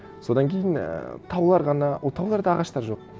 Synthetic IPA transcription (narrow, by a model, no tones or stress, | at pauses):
so̞d̪ɑŋkʲʰe̞jɪn̰t̪ʰɑwlˠɑɾʁɑnɑt̪ʰɑwlˠɑɾd̪ɑːʁɑʃt̪ɑɾʒo̞q̚